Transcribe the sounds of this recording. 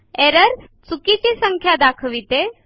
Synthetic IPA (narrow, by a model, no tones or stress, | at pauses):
eɾəɾ | t͡sukit͡ɕisəŋkʰjad̪akʰʋit̪e